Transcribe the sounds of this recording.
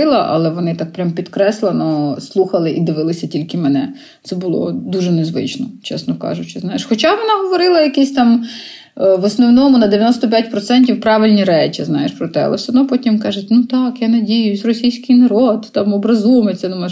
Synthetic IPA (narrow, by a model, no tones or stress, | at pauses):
ɪlˠɐʔɐ̰lˠɛʋɔnɪt̪ɑk̚pɾʲampʲid̪kɾɛslˠenɔslˠuxɐlˠɪʔid̪ɪʋɪlˠɪsʲɐtʲilʲkɪmɛnɛ | t̪sɛbʊlˠɔ̰d̪uʒɛnezʋɪ̰t͡ʃnɔt͡ʃɛ̰snɔkɑ̰ʒʊt͡ʃɪznɑjeʃxɔt͡ʃɑʋɔnɑɦɔʋɔɾɪlˠɐjɐkisʲt̪ɑm | ʋɔsnɔwnɔmʊnɐd̪eʋʲjɐnɔst̪ɔpʲjat̚ʲpɾɔt̪sɛnʲtʲiwpɾɑʋɪlʲnʲiɾɛt͡ʃiznɑjeʃpɾɔt̪ɛɐ̰ɛ̰sɐnɔpɔtʲimkɑʒʊtʲnut̪ɑkjanɐdʲijʊzʲrɔsʲijsʲkɪjnɐɾɔd̪t̪ɑmɔbɾɐzumet͡s̪ʲɛnʊmɛ